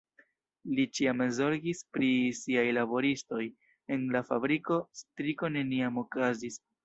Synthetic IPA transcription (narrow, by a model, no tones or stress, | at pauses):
lit͡ʃiamezo̞ɾɡispɾisiajlabo̞ɾisto̞j | e̞nlafabɾiko̞stɾiko̞ne̞niamo̞kazis